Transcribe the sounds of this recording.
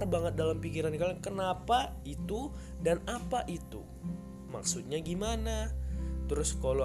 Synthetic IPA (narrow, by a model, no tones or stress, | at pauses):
rbaŋət̪̚dalampikiɾankakənapa | it̪u | danapaʔit̪ṵ | ma̰ksut̪̚ɲaɡimanat̪əɾʊskalo